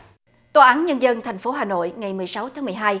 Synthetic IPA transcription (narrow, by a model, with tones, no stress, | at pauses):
t̪oː˧˩ʔaː˨˦nɲə˧nzə˧nt̪ʰɛ˨˩ŋ̟fo˨˦ɦaː˨˩no̰˧˨jŋa˨˩jmɨ˨˩əjsa˨˦wt̪ʰaː˨˦mɨ˨˩əjɦaː˧j